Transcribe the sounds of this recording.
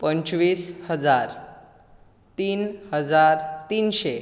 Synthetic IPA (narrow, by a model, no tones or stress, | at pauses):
pəɲt͡ɕʋiːshəd͡zaɾ | t̪iːnhəd͡zaɾt̪iːnɕe